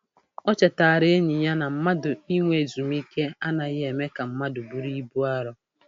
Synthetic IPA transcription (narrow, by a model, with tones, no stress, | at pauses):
ɔ˦t͡ʃe˨ta˨a˨ɾe˦e˦ɲi˨ɲa˦na˨m̩˦ma˦dʊ˨i˦ŋʷe˨zu˨mi˦ke˦a˦na˨ɣɪ˦e˨me˦ka˨m̩˦ma˦dʊ˨bu˦ɾi˦bu˦a˦ɾɔ˦